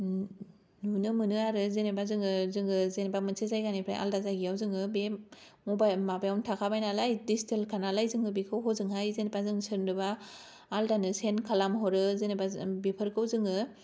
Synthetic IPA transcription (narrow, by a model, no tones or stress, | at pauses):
nunɯmɯnɯaɾɯzenebazɯŋɯzɯŋɯzenebamɯnsʰezajɡanipʰɾa̰jʔa̰ldazaɡijawzɯŋɯbe | mɔbajmabajawntʰakʰabajnalajdisitʰelkʰanalajzɯŋɯbikʰɯwɦɔzɯŋɦajzenebazɯŋsɯɾnɯbaː | ldanɯsenkʰalamɦɔɾɯzenebabepʰɯɾkʰɯwzɯŋɯ